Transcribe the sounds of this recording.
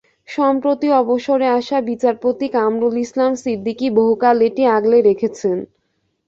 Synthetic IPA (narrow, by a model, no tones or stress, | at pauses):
ʃɔmpɾot̪iɔboʃoɾeaʃabit͡ɕaɾpot̪ikamɾulislamsid̪ːikiboɦukaleʈiaɡleɾekʰet͡ɕʰen